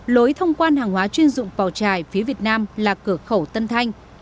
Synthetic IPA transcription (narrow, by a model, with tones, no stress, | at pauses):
lo˨˦jt̪ʰə˧wŋ͡mkwaː˧nhaː˨˩ŋhwaː˨˦t͡ɕwi˧ənzʊ̰˧˨ŋ͡mɓaː˨˩wt͡ɕaː˧˩jfi˨˦əvi˨˩ət̚naː˧mlaː˨˩kɨ˧˩əxə˧˩wt̪ə˧nt̪ʰa˧jŋ̟